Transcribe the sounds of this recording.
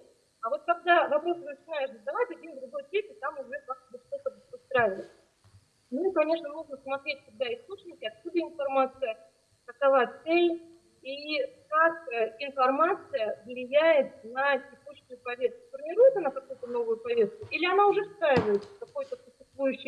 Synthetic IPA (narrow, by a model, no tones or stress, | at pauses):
ɐvo̞t̪̚kɐɡ̚d̪avɐpɾo̞sɨnət͡ɕɪnajɪʂzəzd̪ɐvatʲɐdʲimd̪ɾʊɡo̞jtʲepʲɪt̪amʊʐɛat̪bɨt̪ʲʂt̪ot̪əbtʲɨst̪ɾavʲɪvətʲ | mɨkɐnʲe̞ʂnənuʐnəsmɐt̪ɾʲet̚ʲkʊɡ̚d̪aɪst̪ot͡ɕnʲɪkʲɪɐt̪̚kud̪əɪnfɐrmat̪sɨjə | kəkɐvasej | ikakɪnfɐrmat̪sɨjəvlʲɪjæjɪt̪̚nətʲɪkuɕʊjʊpɐvʲe̞st̪̚kʊ̥fərmʲɪɾujɪt̪ənəkɐkujʊt̪əno̞vʊjʊpɐvʲest̪̚kʊʔilʲɪɐnaʊʐɛfst̪ɾajʲɪvəjɪt̪səfkɐko̞jʊt̪əpʊɕɪst̪vujʉɕːɪ